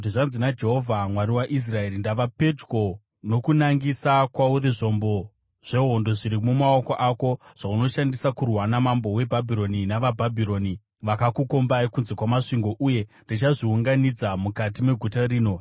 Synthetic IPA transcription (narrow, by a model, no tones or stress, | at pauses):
tiʐanzinad͡ʒe̞ɦo̞vʱamwaɾiwaʔis̬rae̞rindaʋape̞tko̞ | no̞kunaŋɡisakwauɾiʐo̞mbo̞ | ʐ̥e̞ɦo̞ndo̞ʐiɾimumao̞ko̞ʔako̞ʐ̥auno̞ʃandisakurwanamambo̞we̞bʱabʱiɾo̞ninaʋabʱabʱiɾo̞ːni | ʋakakuko̞mbaikunze̞kwamaʂiŋɡo̞ʔuje̞ndit͡ʃaʐiuŋɡanid͡zamukatime̞ɡʱutariːno̞